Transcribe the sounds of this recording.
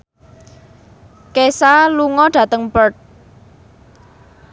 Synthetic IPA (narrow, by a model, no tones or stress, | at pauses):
kesaluŋɔɖ̥ä̤t̪əŋpərt̪̚